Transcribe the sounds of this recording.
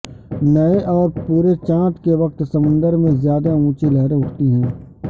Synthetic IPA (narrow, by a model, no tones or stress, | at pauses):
nɐeʔɔːɾpuːɾet͡ʃãːt̪keʋɐq̚t̪sɐmʊ̃nd̪əɾmẽzjaːd̪aũːt͡ʃilɛɦɾeʊʈʰt̪iɦɛ̃ː